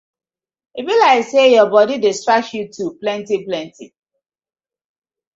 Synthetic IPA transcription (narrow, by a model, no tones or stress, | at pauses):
ibilaɪsejɔbɔdidɪstɹak̚sjutʰuplɛ̃ntiplɛ̃ntḭ